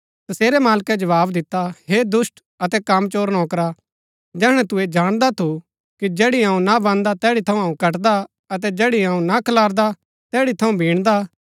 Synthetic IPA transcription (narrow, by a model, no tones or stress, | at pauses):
t̪ɐseːɾɛmaːlkɛd͡ʒɐʋaːbd̪ɪt̪ːaɦed̪ʊsʈ | ɐt̪ɛkamt͡ʃoːɾnɔ̃ːkɾa | d͡ʒɛːɽ̃ɛ̃t̪ʊed͡ʒaːɽ̃d̪at̪ʰu | kid͡ʒɛːɽiɐũnabãːnd̪at̪ɛːɽit̪ʰɐũɦɐːũkɐʈd̪a | ɐt̪̬ɛd͡ʒɛːɽiɦaũnakʰɐlaːɾd̪a | t̪ɛːɽit̪ʰɐũbʱĩːɽ̃d̪a